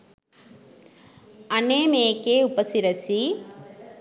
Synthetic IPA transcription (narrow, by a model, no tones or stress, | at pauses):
ɐɳeːmeːkːeupɐsiɾɐsi